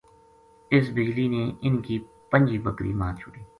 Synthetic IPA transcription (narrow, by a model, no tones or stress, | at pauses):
ɪs̬bɪd͡ʒliːnẽːʔɪnkiː | pəɲʲd͡ʒiːbəkɾḭːmãːt͡ʃʰʊɽiː